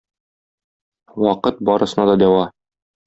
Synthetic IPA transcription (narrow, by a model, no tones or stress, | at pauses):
wɒqɤt̪̚bɒɾɤ̆sɤ̆nɑd̪ɒd̪æwɑ